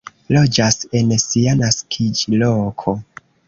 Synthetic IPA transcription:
lo̞d͡ʒase̞nsianaskʰid͡ʒlokʰo

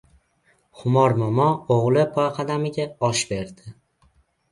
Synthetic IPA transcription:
χʊmɒɾmamɒoʁlˠɪpʰɒjqʰɑd̪amɪɡʲaɒʃbe̞ɾd̪ɪ

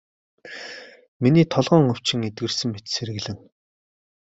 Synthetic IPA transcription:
miniːt̪ʰɔɮʁɞ̆ːŋɵw̥t͡ɕɪ̆ŋet̪ɡɘ̆rsɘ̆ŋmet͡ɕ̪seɾɘ̆ɣɮɘ̆ŋ

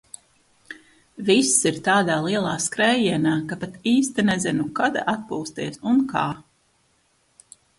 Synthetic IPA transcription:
visːiɾt̪aːd̪aːlˠiɛlˠaːskɾɛjiɛnaːkapat̪iːst̪inɛzinukad̪a̰ʔat̪̚puːst̪iɛsunkaː

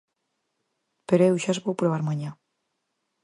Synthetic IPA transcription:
peɾoewʃazβowpɾoβ̞aɾmaɲa

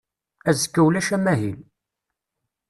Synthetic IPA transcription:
æzəkːəwlæʃæmæɦil

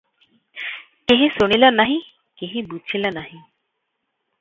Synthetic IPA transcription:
keɦĩsuɽ̃ilanaɦĩ | keɦĩbut͡ʃʰilanaɦĩ

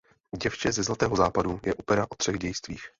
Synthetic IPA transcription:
ɟɛft͡ʃɛzɛzlat̪ɛːɦo̞zaːpadujɛʔopɛɾaʔot̪r̥ɛɣɟɛjst̪viːx

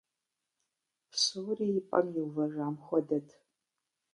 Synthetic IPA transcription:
pʰsɨwrijpʼɐ̰mjiwvɐʒaːmxʷɔdɐtʰ

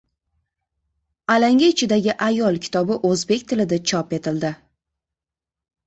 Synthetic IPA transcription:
alaŋʲaɪt͡ʃʰɪd̪aɡʲɪʔajɒlˠkʲʰɪ̥t̪ʰɒbɪʔɵzbe̞kʲt̪ʰɪlɪd̪at͡ʃʰɒpe̞t̪ʰɪld̪ɪ

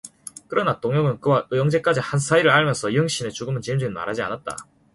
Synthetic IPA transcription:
kɯɾʌnatoŋjʌŋɯnkɯwaʔɯjʌŋd͡ʑe̞k͈ad͡ʑihansʰaiɾɯɾaɭmjʌnsʰʌiɯŋɕ͈inet͡ɕuɡɯmɯnt͡ɕiɯmd͡ʑuinma̰ɾɦad͡ʑia̰nat̚t͈a̰

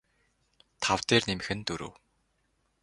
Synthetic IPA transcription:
t̪ʰawt̪eːrnemxɘ̆nt̪ɵɾṵw

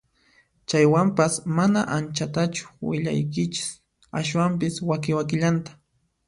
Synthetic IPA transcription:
t͡ʃajwampasmanaʔant͡ʃat̪at͡ʃʊ̥wɪ̰ʎa̰jkɪt͡ʃɪ̥s | aʃwampɪswakɪwakɪʎant̪ḁ

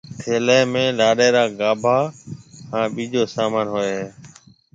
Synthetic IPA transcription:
tʰeːlɛːmẽːlaːɗeːɾaːɡaːbʱaːhãːɓiːd͡ʒoːsaːmaːnɦoːeɦẽː

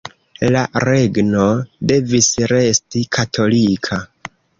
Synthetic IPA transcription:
laɾe̞ɡno̞de̞visɾe̞stikʰatʰo̞likʰa

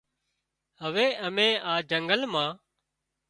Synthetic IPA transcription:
ɦəʋeːʔəmẽːʔaːd͡ʒəŋɡəlmãː

